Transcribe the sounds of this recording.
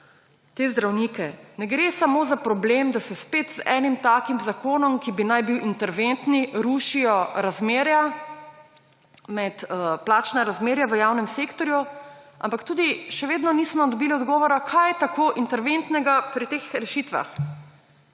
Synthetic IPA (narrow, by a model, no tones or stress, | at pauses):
t̪eːzd̪ɾawnikɛnɛɡɾeːsamoːzapɾɔblemd̪asɛspeːt̪zɛːnimt̪aːkimzakoːnɔmkibinajbiwʔint̪ɛɾʋent̪niɾuːʃijɔɾazmeːɾja | mɛt̪plaːt͡ʃnaɾazmeːɾjaʋəjawnɛmsekt̪ɔɾjuʔa̰mpakt̪uːd̪iʃɛʋeːd̪nɔniːsmɔd̪ɔbiːliɔd̪ɡɔːʋɔɾakʰajt̪akʰoːʔint̪ɛɾʋent̪nɛɡapɾit̪exɾɛʃit̪ʋa̰x